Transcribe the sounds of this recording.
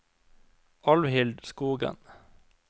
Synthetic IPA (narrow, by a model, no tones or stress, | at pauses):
ʔɑlʋhɪld̪skuːɡə̰n